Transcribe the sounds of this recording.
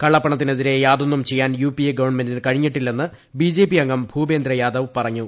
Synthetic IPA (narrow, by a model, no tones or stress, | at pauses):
kɐɭːɐpːɐɳɐt̪ːineðiɾe̞jaːd̪o̞nːumt͡ɕe̞jːaːnjuːpieɡɐʋɐrɳme̞ndinkɐɻiɲːiʈːilːe̞nːɨ | biːd͡ʑe̞ːpːijɐŋɡɐmbʱuːbe̞ːnd̪ɾɐjaːd̪ɐʋpɐrɐɲːu